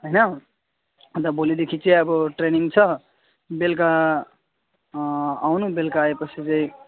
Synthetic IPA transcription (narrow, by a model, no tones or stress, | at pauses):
ɦojnʌ | t̪ʌbolid̪ekʰit͡seʌbʌʈreniŋɡt͡sʰʌ | belk̬a | awnubelkaːepʌt͡sʰit͡sʌĩ